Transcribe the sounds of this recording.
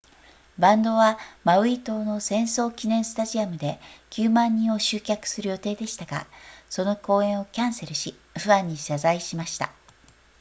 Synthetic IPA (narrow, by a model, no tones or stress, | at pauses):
bãnd̪o̞βamaɯ̟it̪o̞ːno̞sẽ̞ɰ̃so̞ːkʲinẽ̞ɰ̃sɨ̥t̪aʑiamɯ̟d̪e̞kʲɨːmãɲ̟ːĩɰ̃o̞ɕɨːkʲakɯ̟̥sɨɾɯjo̞t̪e̞ːd̪e̞ɕi̥t̪aɡ̥a̰so̞no̞ko̞ːẽ̞ɰ̃o̞kʲãɰ̃se̞ɾɯ̟ɕi | ɸɯ̟ãɲ̟ːiɕazaiɕimaɕi̥t̪a̰